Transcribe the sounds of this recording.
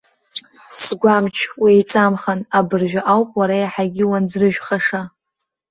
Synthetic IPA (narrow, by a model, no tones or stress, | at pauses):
sɡʷamt͡ʃʰwijt͡sʼamχanabɨrʒᶣʷaʔawpʼwaɾajaħaɡʲɪwanzrɨʒᶣχaʂa